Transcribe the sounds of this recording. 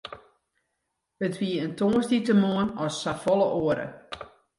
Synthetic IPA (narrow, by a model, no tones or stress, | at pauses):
ətʋiəəntʰoːəsditəmuənɔsːafɔlˠəʔoəɾə̰